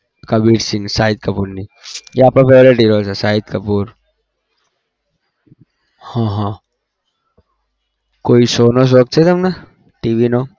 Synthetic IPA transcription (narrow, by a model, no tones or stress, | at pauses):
kaʋiːʈsɪ̃ŋɡsaːɪd̪̚kəpuːɾnijeaːpɾapeːleʈiɾoːsasaːɪd̪kəpuːɾ | hãɦãː | koːisoːnos̬ok̪̚t͡ʃʰet̪ɐmna | ʈiːʋino